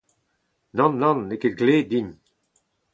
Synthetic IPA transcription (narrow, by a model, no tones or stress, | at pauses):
nɑ̃nːɑ̃nːeked̪ɡleːd̪iɲ